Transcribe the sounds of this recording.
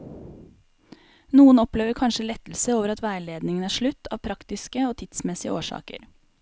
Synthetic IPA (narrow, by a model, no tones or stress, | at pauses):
nuːənɔpleːʋəɾkʰɑnʃəlɛt̪l̩səoːʋəɾɑt̪ʋæɪleːd̪nɪŋənæːʂɭʉt̪ːɑːʋpʰɾɑkt̪ɪskəoːt̪ʰɪd̪̥smɛsɪə̰ʔoːʂɑ̰ːkə̰ɾ